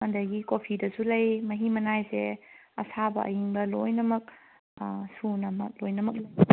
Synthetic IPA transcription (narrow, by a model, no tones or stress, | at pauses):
andɐɡikopʰidɐsulɐjmɐɦimɐnajseɐ̰sabɐ̰ʔɐ̰jiŋbɐlojnɐmɐk̚ | sunɐmɐk̚lojnɐmɐk̚lɐj